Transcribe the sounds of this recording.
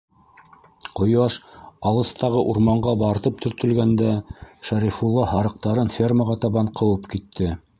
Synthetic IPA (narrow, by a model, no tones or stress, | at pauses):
qŏjɑʃɑlˠɤ̆st̪ɑʁɤʔuɾmɑɴɢɑbɑɾt̪ɤp̚t̪ʰɵ̆ɾt̪ɵ̆lɡænd̪æʃæɾifulˠːɑɦɑɾɤ̆q̚t̪ɑɾɤnfʲerməʁɑt̪ɑβɑɴqʰɤ̆wɤpkit̪ʰːɘ